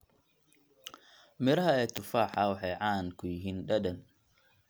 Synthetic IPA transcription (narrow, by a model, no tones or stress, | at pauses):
mɛɾɐhɐɛːt̪ʊfaːħaːwɐħɛjʕaːnkʰʊjɦiːnɗɐdɐn